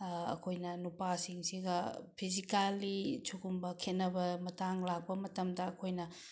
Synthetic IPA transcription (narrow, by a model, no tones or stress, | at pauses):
ɐ̰kʰojnɐnupasiŋsiɡɐpʰizikalːit͡ʃʰuɡumbɐkʰet̚nɐbɐmɐtaŋlak̚pɐmɐtɐmdɐɐkʰojnɐ